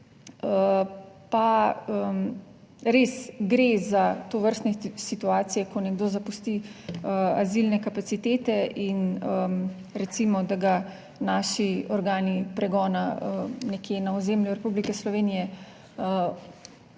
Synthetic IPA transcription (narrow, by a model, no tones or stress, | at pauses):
əpaə | ɾesɡɾezat̪oʋəɾst̪nɛsit̪uaːt̪sijɛkɔnɛɡd̪oːzapust̪iəazilnɛkapat̪sit̪eːt̪ɛinəm | ɾɛt̪simɔd̪aɡa | naːʃiɔɾɡaːnipɾɛɡɔːnaənɛkjenaɔzeːmlʲjuɾɛpublikɛslɔʋeːnijɛ | ə